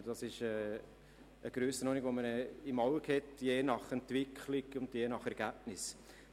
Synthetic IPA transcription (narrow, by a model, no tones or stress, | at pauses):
d̥ɑsɪʃɛː | əɡ̥ɾøːsənɔːniɡʋomənɪmɑʊkhɛtjeːnɑχɛntʋɪkʰlɪɡʊndjeːnɑχɛɾɡ̥æb̚nɪs